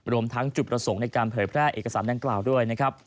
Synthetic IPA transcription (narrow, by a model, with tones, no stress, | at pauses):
ɾu˧əmt̪ʰa˦˥ŋt͡ɕu˨˩kɾa˧so˩˦ŋna˧jkaː˧npʰɤː˩˦jpʰɾɛː˥˩ʔḛː˨˩ka˧saː˩˦nda˧ŋklaː˨˩wdu˥˩əjna˦˥kʰɾa˦˥p̚